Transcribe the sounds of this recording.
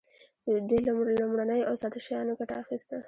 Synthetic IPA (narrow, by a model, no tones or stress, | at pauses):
d̪wejllʊmɽanəjawsɑt̪aʃajɑnoɡaʈa̰ːxist̪a